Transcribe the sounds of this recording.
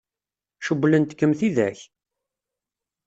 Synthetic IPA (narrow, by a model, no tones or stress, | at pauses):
ʃəbːlənt̪kːəmθiðæ̰ç